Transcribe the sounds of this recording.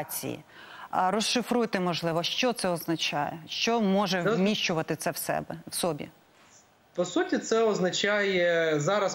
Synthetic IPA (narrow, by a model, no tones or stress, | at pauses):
t͡sʲḭjḭ | ɾɔsʃɪfɾujt̪ɛmɔʒlˠɪʋɔʃt͡ʃɔt̪sɛɔznɐt͡ʃɑ̰jɛ̰ʃt͡ʃɔmɔʒɛʋmʲiʃt͡ʃʊʋɐt̪ɪt̪sɛwsɛ̰bɛwsɔbʲḭ | pɔsutʲit̪sɛɔznɐt͡ʃajɛzɑɾɐs